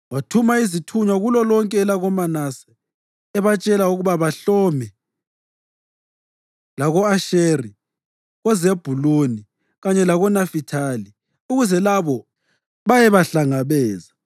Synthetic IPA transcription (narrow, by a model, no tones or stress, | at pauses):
watʰumaizitʰuɲwaɣulɔlɔŋkʼɛːlaɣɔmanasɛ̥ | ɛβat͡ʃʼɛlauɣuβaβaɬɔmɛ | laɣɔaʃeri | ɣɛzeb̥ʱuloni | ɣaɲɛlaɣɔnafitʰali | uɣuzɛlaβɔ | βajɛβaɬaŋaβɛːza